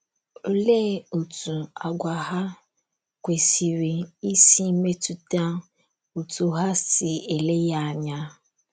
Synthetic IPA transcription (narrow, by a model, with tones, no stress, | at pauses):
o˨le˦o˨tu˨a˨ɡʷa˨ɦa˦ | kʷe˨si˨ɾi˨i˦si˦me˦tu˨ta˦ | o˨tu˨ɦa˦sɪ˨e˨le˦ja˦a˨ɲa˦